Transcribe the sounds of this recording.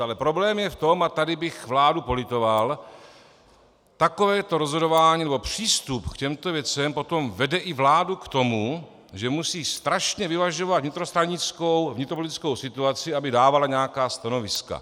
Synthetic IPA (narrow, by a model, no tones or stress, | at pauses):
alɛpɾo̞blɛːmjɛft̪o̞mat̪adɪbɪxvlaːdupo̞lɪt̪o̞val | t̪ako̞vɛːt̪o̞ɾo̞zɦo̞dovaːɲiːnɛbo̞pr̝̥iːst̪upkcɛmt̪o̞vjɛt͡sɛmpo̞t̪o̞mvɛdɛʔɪvlaːdukt̪o̞mu | ʒɛmusiːst̪ɾaʃɲɛvɪvaʒo̞vad̪vɲɪt̪ɾost̪ɾaɲɪt͡sko̞wvɲɪt̪ɾopolɪt̪ɪ̥t͡sko̞wsɪt̪uat͡sɪabɪdaːvalaɲɛakaːst̪ano̞vɪska̰